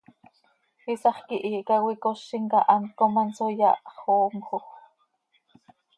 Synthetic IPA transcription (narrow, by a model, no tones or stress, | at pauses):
isɑχkiʔiːkɑwikoʃːiŋkɑʔɑn̚komɑnsojɑ̰ʔχoːmxo